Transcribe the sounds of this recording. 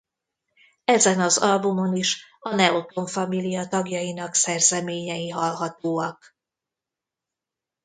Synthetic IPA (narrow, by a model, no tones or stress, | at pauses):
ɛzɛnɒzɒlbumo̞niʃɒnɛot̪o̞ɱfɒmilijɒt̪ɒɡjɒjin̪ɒksɛrzɛmeːɲɛjiɦɒlɦɒt̪oːɒk